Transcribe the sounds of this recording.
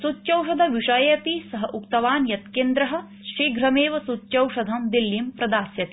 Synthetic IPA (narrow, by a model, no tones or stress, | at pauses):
sutːt͡ʃɐwʃɐd̪ʱɐʋiʂɐjɐpisɐɦɐʔukt̪ɐʋaːnjɐt̪keːnd̪ɾɐɦɐ̆ | ʃɾiːɡɾɐmeːʋɐsutːt͡ʃɐwʂɐd̪ʱɐmd̪ilːimpɾɐd̪aːsjɐt̪i̥